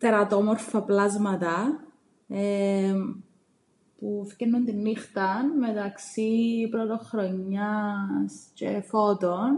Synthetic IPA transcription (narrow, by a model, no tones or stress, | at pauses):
t̪eɾɐt̪omoɾfɐplɐzmɐt̪ɐ | e | pufkenːunt̪inːixt̪ɐnmet̪ɐksipɾot̪oxɾoɲːɐscḛfot̪on